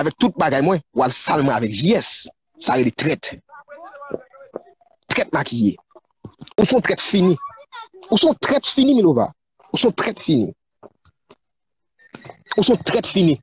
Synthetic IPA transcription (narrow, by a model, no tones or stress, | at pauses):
avɛk̚t̪ut̪̚baɡajmwɛ̃walsalmãavɛkʒiɛsː | aɣelet̪ʁɛt̪ | ʁɛt̪̚makʰijḛ | usɔ̃t̪ʁɛt̪finĩ | usɔ̃t̪ʁɛt̪finimilova̰ | usɔ̃t̪ʁɛt̪finḭ | usɔ̃t̪ʁɛt̪fini